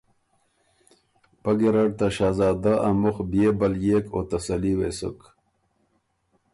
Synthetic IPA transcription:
paɡiɾaɽ̚t̪aɕaːzaːd̪aʔamʊxbjeːbɐljekoːt̪asɐliwesə̰k

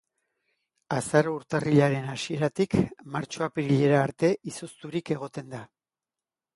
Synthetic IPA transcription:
asaɾouɾt̪ariʎaɾe̞nasie̞ɾat̪ikmaɾt͡ʃo̞apiɾiʎe̞ɾaːɾt̪e̞ʔisost̪uɾike̞ɣ̞o̞t̪e̞nd̪a

